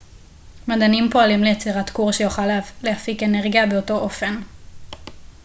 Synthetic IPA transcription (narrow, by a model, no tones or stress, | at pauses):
madanimpo̞alimlejet͡siʁatkuʁʃejoχalavlehafike̞neʁɡjabeo̞to̞ʔo̞fe̞n